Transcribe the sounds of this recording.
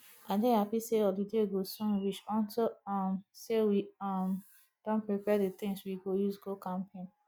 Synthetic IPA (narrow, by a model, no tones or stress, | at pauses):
ãndɛ̃hapiseɔdideɡosɔ̃nɹit͡ʃɔ̃ntʰoɔmsewiɔm | d̥ɔ̃npɹipɛdət̪ɪ̃ŋswiɡojuzɡokãmpʰẽn